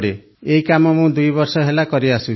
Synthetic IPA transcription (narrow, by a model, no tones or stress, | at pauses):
ɽe | eɦikamɔmũd̪ujbɔɾsɔɦelakɔɾiasu